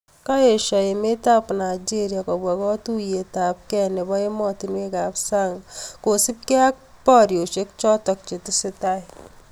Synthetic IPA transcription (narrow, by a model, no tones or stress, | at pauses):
kaeʃaemetapnajd͡ʒeɾjakɔbwakɔtujetap̚kɛnɪβɔemɔtinwekapsaŋkosɪp̚keak̚ | pɔɾjoʃek̚t͡ʃɔtɔk̚t͡ʃɪtɪsɪtaj